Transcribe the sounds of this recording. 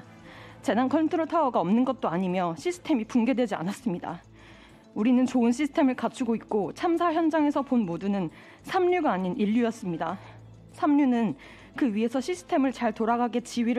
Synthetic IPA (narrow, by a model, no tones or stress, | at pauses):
t͡ɕe̞nankʰʌntʰoɾotʰaʌɡaʌmnɯnɡʌt̚t͈oaɲimjʌɕʰisʰɯ̥tʰe̞mipunɡe̞dwe̞d͡ʑia̰nas͈ɯmɲida̰ | uɾinɯnt͡ɕoɯnɕʰisʰɯ̥tʰe̞mɯɭkat͡ɕʰuɡoik̚k͈ot͡ɕʰamsʰaçjʌnd͡ʑaŋe̞sʰʌponmodunɯn | sʰamɲuɡaːɲiniʎːujʌs͈ɯmɲida | sʰamɲunɯn | kɯɥiɦe̞sʰʌɕʰisʰɯ̥tʰe̞mɯɭt͡ɕaɭtoɾaɡaɡet͡ɕiwɥiɾ